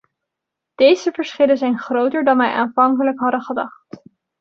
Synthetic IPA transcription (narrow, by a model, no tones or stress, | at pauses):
d̥ejzəvəɹsχɪləzɛjnχrowtəɹdɑnʋɛjʔa̰ːnvɑŋkələkɦɑdəχədɑ̰χt